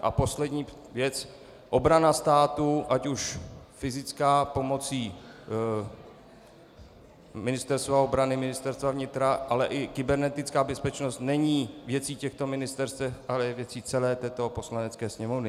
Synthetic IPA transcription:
ʔa̰po̞slɛd̪ɲiː | vjɛt͡s | ʔo̞bɾanast̪aːt̪uʔacuʃfɪzɪt͡skaːpo̞mo̞t͡siː | mɪnɪst̪ɛɾst̪vao̞bɾanɪmɪnɪst̪ɛɾst̪vavɲɪt̪ɾaʔalɛʔɪkɪbɛɾnɛt̪ɪt͡skaːbɛspɛt͡ʃnost̪nɛɲiːvjɛt͡siːcɛxt̪o̞mɪnɪst̪ɛɾst̪vɛʔalɛvjɛt͡siːt͡sɛlɛːt̪ɛːt̪o̞po̞slanɛt͡skɛːsɲɛmovnɪ

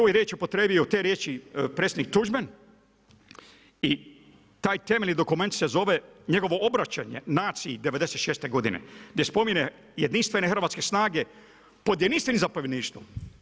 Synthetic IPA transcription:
ojɾjet͡ʃiupot̪ɾeːbijot̪eɾjeːt͡ʃipɾet̪sʲed̪nik̚t̪uʒmen | i | t̪aːjt̪e̞melʲnid̪okume̞nt̪sezo̞ʋe̞ɲe̞ɡo̞ʋo̞obɾat͡ɕaɲe̞̰naːt̪siid̪e̞ʋed̪eset̪ʃeːst̪e̞ɡo̞d̪inḛɡd̪je̞spo̞mine | jed̪inst̪ʋe̞nexr̩ʋaːt̪ske̞snaːɡe̞ | po̞d̪jed̪inst̪ʋenimzapoʋjed̪niːʃt̪ʋṵ

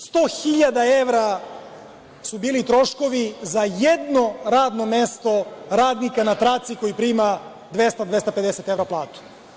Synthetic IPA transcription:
st̪oxiʎad̪aeʋɾa | subiːlit̪ɾo̞ʃko̞ʋizajed̪no̞ɾaːd̪no̞mest̪o̞ɾaːd̪nikanat̪ɾat̪siko̞jipɾiːma | d̪ʋest̪ad̪ʋe̞st̪aped̪eset̪e̞ʋɾaplˠaːt̪u̥

